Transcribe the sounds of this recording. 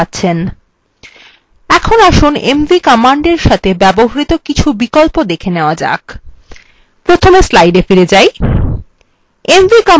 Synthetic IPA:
atːɕʰen | ɛkʰonaʃunemvikɔmaɳɖeɾʃat̪ʰebɛboɦaɾit̪okit͡ɕʰubikolpod̪ekʰeneoad͡ʑa̰k | pɾot̪ʰomeslajɖefiɾed͡ʑaj | emvikɔ

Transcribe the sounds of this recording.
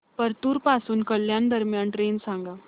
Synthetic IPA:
pəɾt̪uːɾpasuːnkəljand̪əɾmjanʈɾensãŋɡa

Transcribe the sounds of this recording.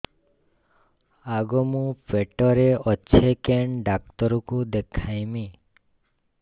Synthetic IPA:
aɡɔmũpeʈɔɾeʔɔtːʃʰekeɳɖakt̪ɔɾukũd̪ekʰajmi

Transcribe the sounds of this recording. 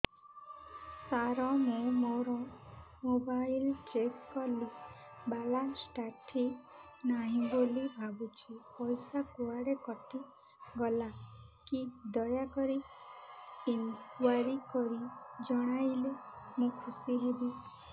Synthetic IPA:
saɾɔmũmoɾɔmobajlt͡ʃeskɔlibalasʈaʈʰi | naɦĩbolibʱabut͡ʃʰipɔjsakuaɽekɔʈʰi | ɡɔlakid̪ɔjakɔɾi | insaɾikɔɾid͡ʒɔɽ̃ajlemũkʰusiɦebi

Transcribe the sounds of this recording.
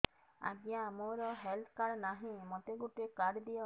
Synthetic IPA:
a̰ɡjamoɾɔɦelt̪ʰkaɾnaɦĩmɔt̪eɡuʈekaɽd̪iɔ

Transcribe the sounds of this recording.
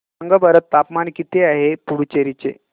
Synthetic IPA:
əŋɡəbəɾət̪ːapmankit̪eaɦepuɽut͡ɕeɾit͡sḛ

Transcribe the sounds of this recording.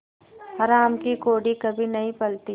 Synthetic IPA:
ɦɐɾaːmkikoːɽikɐbʱinɐɦĩpɐlt̪i

